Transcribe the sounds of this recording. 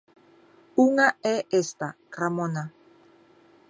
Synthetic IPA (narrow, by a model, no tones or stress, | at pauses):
uŋaeʔest̪akɾamona